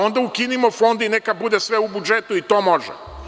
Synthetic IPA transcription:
o̞nd̪aukinimofo̞nd̪inekabud̪esʋeubud͡ʒet̪uit̪o̞ːmo̞ʒɛ̰

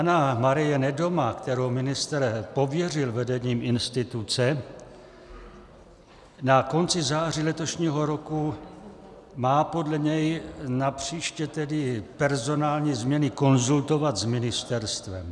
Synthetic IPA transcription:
panamaɾɪjɛnɛdo̞makt̪ɛɾowmɪnɪst̪ɛɾpo̞vjɛr̝ɪlvɛdɛɲiːmɪnst̪ɪt̪ut͡sɛ | nako̞nt͡sɪzaːr̝ilɛt̪o̞ʃɲiːɦo̞ɾo̞ku | maːpo̞dlɛɲɛjnapr̝̥iːʃcɛt̪ɛdɪpɛɾzo̞naːlɲiːzmɲɛnɪko̞nzult̪o̞vat̪zmɪnɪst̪ɛɾst̪vɛm

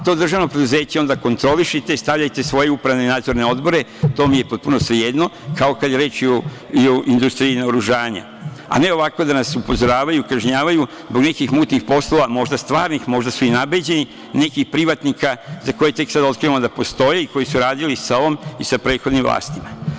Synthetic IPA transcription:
t̪o̞ːd̪r̩ʒaʋno̞pɾe̞d̪uze̞ːt͡ɕeo̞nd̪ako̞nt̪ɾo̞liʃit̪e̞st̪aʋʎajt̪e̞sʋo̞jeupɾaʋnenaːd̪zoɾne̞o̞d̪bo̞ɾe̞t̪o̞ːmije̞po̞t̪̚puno̞sʋejed̪no̞kaokad̪jeɾe̞ːt͡ʃio | ioʔind̪ust̪ɾiinaoɾuʒaːɲa̰ | a̰ne̞o̞ʋako̞d̪anasupo̞zo̞ɾaːʋajukaʒɲaːʋaju | zbo̞ɡne̞kixmuːt̪nixpo̞slo̞ʋamo̞ʒd̪ast̪ʋaːɾnixmo̞ʒd̪asuinabed͡ʑe̞ni | ne̞kixpɾiʋat̪nikazako̞jet̪e̞ksad̪o̞t̪kɾiamod̪apost̪o̞jeiko̞jisuɾaːd̪ilisaoʋomisapɾe̞ːt̪xod̪nimvlˠa̰ːst̪ima

